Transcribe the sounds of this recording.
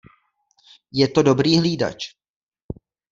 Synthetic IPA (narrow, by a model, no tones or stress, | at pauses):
jɛt̪o̞do̞bɾiːɦliːda̰t͡ʃ